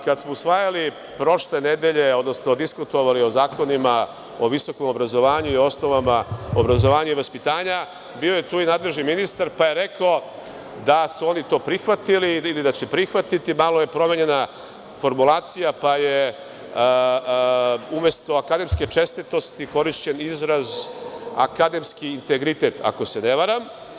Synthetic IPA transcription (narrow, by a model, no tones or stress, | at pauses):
kad̪smousʋaːjali | pɾo̞ʃle̞ne̞d̪e̞ʎe̞o̞d̪no̞snod̪iskut̪o̞ʋalio̞zaːko̞nima | o̞ʋiso̞ko̞mobɾazo̞ʋaːɲuio̞sno̞ʋamaobɾazoʋaːɲuiʋaspit̪aːɲa | bioje̞t̪uːinaːd̪lˠe̞ʒniminist̪aɾpaje̞ɾe̞kao | d̪asuo̞nit̪o̞ːpɾixʋat̪iliːlid̪at͡ɕepɾixʋat̪it̪imaːlˠoje̞pɾo̞me̞ɲe̞na | fo̞ɾmulˠaːt̪sijapaje | umjest̪o̞akad̪e̞mske̞t͡ʃe̞st̪it̪o̞st̪iko̞ɾiʃt͡ɕe̞nizɾaza̰kad̪e̞mskiːnt̪e̞ɡɾit̪e̞ːt̪a̰ko̞se̞ne̞ʋaɾam